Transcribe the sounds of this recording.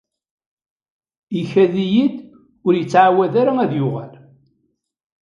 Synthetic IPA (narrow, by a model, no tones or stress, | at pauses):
içæðijid̪ | ʊɾjət͡sːʕawæðaɾaæðjʊʁal